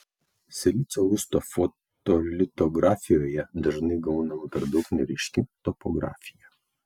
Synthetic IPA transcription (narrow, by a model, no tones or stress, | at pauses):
sʲɛlʲit̪sʲoʊst̪ɔfɔt̪ɔlʲɪt̪ɔɡɾaːfʲɪjoːjɛd̪ɐʒnɐɪɡɐʊnɐmɐpʲɛɾd̪ɐʊknʲɛɾʲɪʃʲkʲit̪ɔpɔɡɾa̰ːfʲɪjɛ